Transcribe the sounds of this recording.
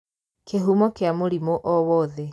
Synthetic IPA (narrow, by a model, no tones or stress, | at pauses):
kʰeɦumɔkeamoɾimoʔɔβɔðe